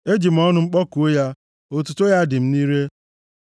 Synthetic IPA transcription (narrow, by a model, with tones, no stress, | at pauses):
e˦d͡ʒi˨m̩˨ɔ˦nʊ˦ŋ͡m̩˦k͡pɔ˦ku˨˦ja˦ | o˦tu˨to˦ja˦dɪ˨m̩˦ni˦ɾe˦